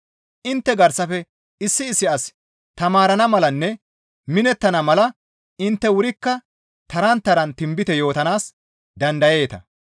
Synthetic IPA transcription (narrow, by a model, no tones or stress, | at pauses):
ʔɪnt̪ːɛɡɐɾsɐfɛ | ɪsːɪːsːɪʔɐs | t̪ɐmaːɾɐnɐmɐlɐnːɛ | mɪnɛt̪ːɐnɐmɐlɐ | ɪnt̪ːɛwʊɾɪkːɐ | t̪ɐɾɐnt̪ːɐɾɐnt̪ɪmbɪt̪ɛjo̞ːt̪ɐnaːs | d̪ɐnd̪ɐje̞ːt̪ɐ̰